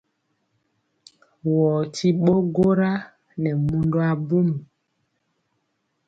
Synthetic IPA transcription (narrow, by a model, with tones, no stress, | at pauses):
wɔː˨ti˦ɓo˦ɡo˦ɾa˦ | nɛ˨mu˦ndo˦a˦bu˦m˨